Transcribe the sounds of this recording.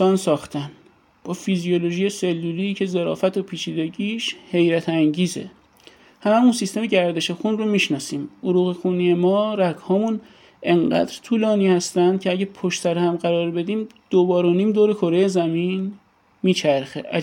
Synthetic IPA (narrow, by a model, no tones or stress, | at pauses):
ɒːnsɒːxt̪ʰæn | b̥ɒːfiziolo̞ʒijese̞lːulicʰe̞ze̞ɾɒ̰ːfæt̪ʰopʰiːt͡ʃʰiːd̪e̞ɟiːʃhe̞jɾæt̪ʰæŋɟiːzḛ | hæmæmunsist̪e̞meɟæɾd̪e̞ʃexunromiːʃnɒːsiːmoɾuːɣexuːnijemɒːɾæɡhɒːmun | ʔe̞ŋɢæ̰d̪ɾt̪ʰuːlɒːniːhæst̪ænd̪̥̚cʲʰeæɟæpʰoʃt̪ʰæɾhæmɢæɾɒːɾbe̞d̪iːmd̪̥obɒːɾo̞niːmd̪oːɾekʰo̞ɾejezæmin | miːt͡ʃʰæɾxḛʔæ